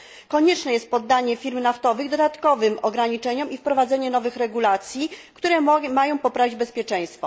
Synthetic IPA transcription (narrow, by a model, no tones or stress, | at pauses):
kɔɲɛt͡ʂnɛjɛst̪̚pɔd̪ːaɲɛfʲiɾmnaft̪ɔvɘɣd̪ɔd̪at̪kɔvɘmɔɡɾaɲit͡ʂɛɲɔmifpɾɔvad̪zɛɲɛnɔvɘxɾɛɡulat̪sʲjikt̪uɾɛmajɔ̃w̃pɔpɾavʲid͡ʑbɛspʲjɛt͡ʂɛ̃j̃st̪fɔ